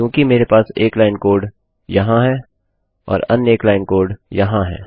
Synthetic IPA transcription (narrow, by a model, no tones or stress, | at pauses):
jõːkimeːɾepaːseːklaːɪnkoːɾɖ | jɐɦãɦɛː | ɔ̰ːɾɐneːklaːɪnkoːɾɖjɐɦãɦɛ̰ː